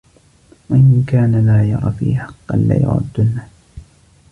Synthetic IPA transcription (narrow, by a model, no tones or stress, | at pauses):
waʔɪnkaːnalaːjɑɾˤɑ̰ːfḭːħɑqːɑ̰nla̰ːjʊ̰ʕʊ̰d̪ːʊnːa